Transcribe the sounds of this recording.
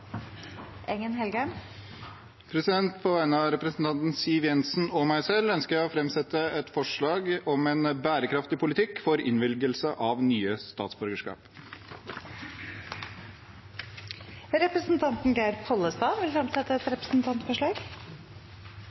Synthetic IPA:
ʔɛŋənhɛlɡæm | pʰɾɛsɪd̪ɛnt̪pʰɔʋæɪnəɑɾɛpɾəsn̩t̪ʰɑnt̪n̩siːʋjɛnsn̩ɔmæɪsɛlœnskəɾjæɪɔfɾɛmsɛt̪əɛt̪fɔʂɭɑːɡɔmɛnbæːɾəkʰɾɑft̪ɪpʰʊlɪt̪ʰɪkːfɔɾɪ̰nʋɪlɡəlsəʔɑʋnyːəst̪ɑ̰ːt̪sbʉɾɡəʂkɑ̰ːp | ɾɛpɾəsn̩t̪ʰɑnt̪n̩ɡæɪɾpʰɔlːəst̪ɑːʋɪlfɾɛmsɛt̪ːəɛt̪ɾɛpɾəsn̩t̪ʰɑnt̪fɔʂɭɑːɡ

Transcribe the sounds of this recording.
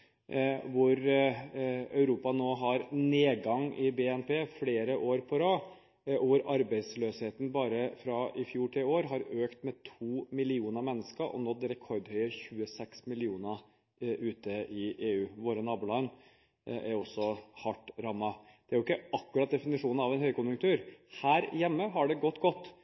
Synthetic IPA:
ʋʊɾ | œʉɾuːpɑnoːɦɑɾneːɡɑŋʔɪbeːɛnpeːfleːɾəʔoːɾpʰɔɾɑː | ʔɔʋʊɾɑɾbɛɪsløːsheːt̪ən̩bɑːɾəfɾɑɪfjuːʈʰɪloːɾɦɑɾøːkt̪mɛt̪ʰuːmɪlɪuːnəɾmɛnːəskəɾʔɔ̰nɔt̪ːɾɛkʰɔɾd̪hœʏəçʉːəsɛksmɪlɪuːnə | ʔʉːt̪əɪeːʉːʋoːɾənɑːbʉlɑn | ʔæɾɔsːɔhɑʈːɾɑmːɑ | d̪̥ɛæɾʊɪkːəʔɑkːʉɾɑt̪̚d̪ɛfɪnɪʂuːnɑʋɛnhœʏkʊnjʉŋkt̪ʰʉːɾhæːɾjɛmːəɦɑɖɛɡɔt̪ːɡɔt̪ː

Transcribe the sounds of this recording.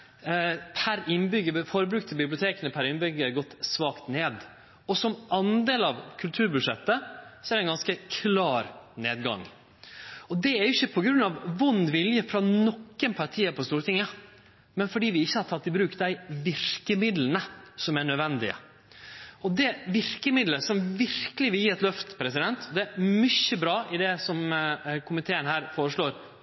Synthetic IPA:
pʰæɾɪnbʏɡːəfoːɾəbɾʉːk̚t̪ʰəbɪblɪʊt̪ʰeːkənəpʰæɾɪnbʏɡːəæɾɡɔt̪ːsʋɑːkt̪neːd̪ | ɔsɔmɑnd̪eːlɑʋkʰʉlt̪ʰʉːɾbʉd̪ʂɛt̪ːəsɔɛɖɛnɡɑnskəkʰlɑːɾnḛːd̪ɡɑ̰ŋ | ɔd̪ɛæɾjʊɪçːəpʰɔɡɾʉnːɑʋʋʊnːʋɪljəfɾɑnɔkːənpʰɑɾʈʰiːəpʰɔst̪uːɾət̪ʰɪŋːə | mɛnfɔɖiːʋɪɪçːəhɑɾt̪ʰɑt̪ːɪlbɾʉːkt̪d̪æɪʋɪɾkəmɪd̪lənəsɔmæɳœd̪ʋɛnd̪ɪə̰ | ɔd̪ɛʋɪɾkəmɪd̪ləsɔmʋɪɾkəlɪʋɪljiːɛt̪lœft̪pʰɾɛsɪd̪ɛnt̪ʰɔd̪ɛæɾmʏçːəbɾɑːʔɪd̪ɛsɔmkʰʊmɪt̪ʰeːənhæːɾfoːɾəʂɭoːɾ

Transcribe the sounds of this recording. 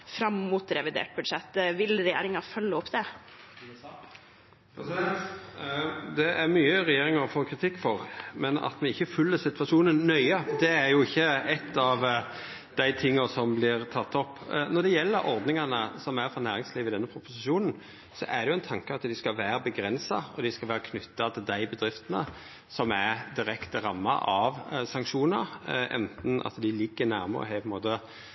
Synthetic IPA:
fɾɑmːuːt̪ɾɛʋɪd̪ḛːʈ̚bʉd̪ʂɛt̪ːʋɪlɾɛjḛːɾɪŋɑfœlːəɔpd̪ɛ | d̪ɛʔæɾmyːəɾɛjeːɾɪŋɑɾfoːkʰɾɪt̪ʰɪkːfɔɾmɛnɑ̰t̪mɛɪçːəfʉlːəsɪt̪ʋɑʂuːnənːœʏəd̪ɛæɾjʊɪçːəɛt̪ʰːɑʋ | d̪̥æɪt̪ʰɪŋːɑsɔmblɪɾt̪ʰɑt̪ːɔpːnɔɾd̪ɛjɛlːəɾɔɾd̪nɪŋɑnəsɔmæɾfɔnæːɾɪŋsliːʋɪd̪ɛnːəpʰɾʊpʊsɪʃuːnn̩ | sɔ̰ʔæʁd̪ɛjʊæɪnt̪ʰɑŋkəɑt̪d̪ɪskɑlʋæːɾəbəɡɾɛnsɑɔd̪ɪskɑlʋæːɾəkʰnʉt̪ːɑt̪ʰɪld̪æɪbəd̪ɾɪft̪ənə̰ | sɔmæd̪ɪɾɛkt̪əɾɑmːɑ̰ʔɑʋsɑŋkʂuːnəɾʔɛ̰nt̪n̩ʔɑ̰t̪d̪ɪlɪɡːənæːɾmə̰ʁɔ̰ɦæpʰɔɛnmoːt̪ə

